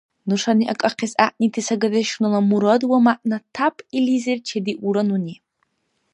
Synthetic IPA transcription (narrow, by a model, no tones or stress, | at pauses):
nɨʂaniʔakʼaqʰezaʔnitʰisaɡadɐʃnɨlamuɾɐdwamaʔnatʰapʰʼilizert͡ʃʰediʔuɾɐnuni